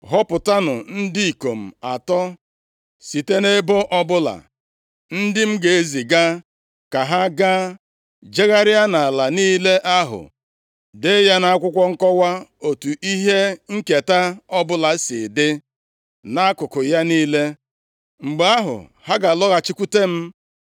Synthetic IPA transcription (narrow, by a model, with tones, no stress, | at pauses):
ɦɔ˦pʊ˨ta˦nʊ˨n̩˦di˦i˨ko˨m̩˨a˨tɔ˦ | si˨te˦ne˦bo˦ʔɔ˦bʊ˦la̰˨ | n̩˦dɪ˦m̩˦ɡe˨e˦zi˨ɡa˦ | ka˨ɦa˦ɡa˦ | d͡ʒe˦ɣa˦ɾɪ˦a˦na˨la˨niː˦le˦ʔa˦ɦʊ̰˨ | de˦ja˦na˦a˦kʷʊ˦kʷɔ˦ŋ̩˦kɔ˦wa˦o˨tu˨ʔi˦ɦe˦ŋ̩˦ke˨ta˦ɔ˦bʊ˦la˨˦sɪ̰˨dɪ˦ | na˦a˦kʊ˨kʊ˨ja˦niː˦le˦ | ŋ͡m̩˨ɡ͡ba˦ɦʊ̰˨ha˦ɡa˨lɔ˦ɣa˨t͡ʃi˦kʷu˦te˦m̩˦